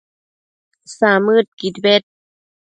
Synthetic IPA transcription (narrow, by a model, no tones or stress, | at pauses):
saːmːɯːt̪̚kit̪̚wet̪̚